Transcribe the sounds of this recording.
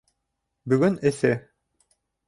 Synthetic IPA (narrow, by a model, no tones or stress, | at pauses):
bɵ̆ɡɵnɘ̆sɘ